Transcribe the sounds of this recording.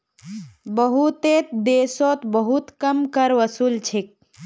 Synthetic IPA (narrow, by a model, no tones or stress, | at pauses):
bəɦut̪et̪d̪eːsot̪bəɦut̪kəmkəɾʋəsuːlt͡ʃʰek̚